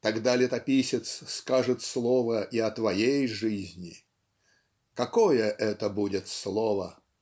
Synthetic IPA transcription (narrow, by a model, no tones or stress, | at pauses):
t̪ɐɡd̪alʲɪt̪ɐpʲisʲɪt̪sskaʐɨt̪slˠovəʔiɐt̪vɐjejʐɨzʲnʲɪ | kɐkojəʔɛt̪əbudʲɪt̪slˠovə